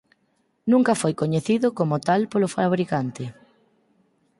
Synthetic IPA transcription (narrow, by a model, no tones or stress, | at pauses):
nũŋkafojkoɲeθiðʊkomʊt̪alpolʊfaβ̞ɾikant̪ɪ